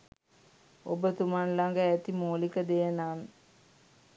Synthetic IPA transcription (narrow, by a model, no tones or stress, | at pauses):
obət̪umanlaŋɡəæt̪imoːlikəd̪ejənaːn